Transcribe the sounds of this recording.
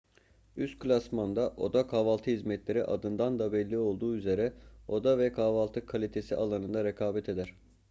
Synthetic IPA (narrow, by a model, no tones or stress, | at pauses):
yst̪kʰlʲˠasmand̪aʔo̞̰d̪akʰaːvalˠt̪ʰɯɦizmɛt̪lʲe̞ɾiʔa̰d̪ɯnd̪and̪abɛlʲːio̞lˠd̪uːyze̞ɾɛo̞d̪avɛkʰavalˠt̪ʰɯkʰːalʲit̪ʰe̞siʔalˠanɯnd̪aɾekʰaːbɛt̪ʰe̞d̪æɾ̝̥